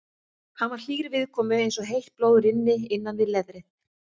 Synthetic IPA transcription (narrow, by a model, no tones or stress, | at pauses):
hanvaɾl̥iːɣɾɪvɪðkʰɔːmʏejnsɔɦejl̥t̪̚ploːwðʏɾɪnːɪɪnːanvɪðlɛðɾɪ